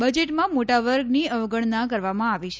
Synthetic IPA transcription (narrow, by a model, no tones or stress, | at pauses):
bəd͡ʒeʈmãmoʈaʋəɾɡniəʋɡəɳnak̬əɾʋamãaʋit͡ʃʰ